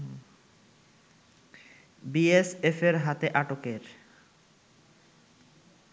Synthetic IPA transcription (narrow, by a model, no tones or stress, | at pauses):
biesefeɾɦat̪eʔaʈokeɾ